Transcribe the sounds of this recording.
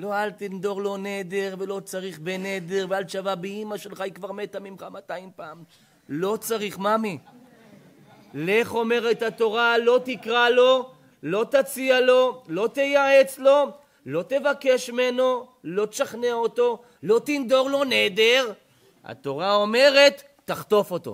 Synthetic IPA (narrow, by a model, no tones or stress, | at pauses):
lo̞alt̪ind̪o̞ʁlo̞ne̞d̪eʁve̞lo̞t͡saʁiχbened̪e̞ʁvealʃavabeimaʃelχajikvaʁmet̪amimχamat̪aimpaːm | lo̞t͡saʁiχmami | leχo̞me̞ʁet̪hat̪o̞ʁalo̞t̪ikʁalo̞ | lo̞t̪at͡sialo̞lo̞t̪ejaet͡slo̞ | lo̞t̪e̞vake̞ʃime̞no̞ | lo̞t̪ʃaχneaot̪o̞ | lo̞t̪ind̪o̞ʁlo̞ned̪eʁ | a̰t̪o̞ʁao̞me̞ʁe̞t̪ːaχt̪o̞fo̞t̪o̞̰